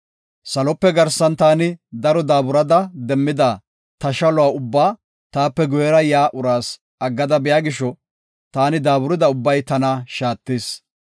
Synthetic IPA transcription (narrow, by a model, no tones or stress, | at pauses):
sɐlɔpːɛɡɐɾsɐnt̪aːnɪd̪ɐɾɔd̪aːbʊɾɐd̪ɐd̪ɛmːɪd̪a | t̪ɐʃɐlʊwaːʊbːaː | t̪aːpːɛɡɔjɛɾɐjaːʔʊɾaːs | ɐɡːɐd̪ɐbɪjaːɡɪʃɔ | t̪aːnɪd̪aːbʊɾɪd̪ɐʊbːɐjt̪ɐnɐʃaːt̪ːiːs